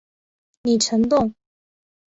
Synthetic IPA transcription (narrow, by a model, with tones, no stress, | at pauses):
ni˨˩ʈ͡ʂʰɤ˧˥ŋt̪ʊ˥˩ŋ